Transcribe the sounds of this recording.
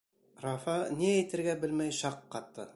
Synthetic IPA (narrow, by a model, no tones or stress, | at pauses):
rɑfɑniæjt̪ɘ̆ɾɡæbɘ̆lmæjʃɑqːɑt̪ːɤ̰